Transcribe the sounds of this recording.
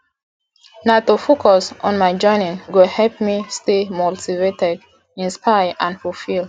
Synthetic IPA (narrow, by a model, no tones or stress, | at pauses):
natofokʰɔsɔ̃nmaɪd͡ʒɔ̃ɪnĩŋɡohɛlp̚mistemoltivetɛd | ĩnspajʔãnfulfil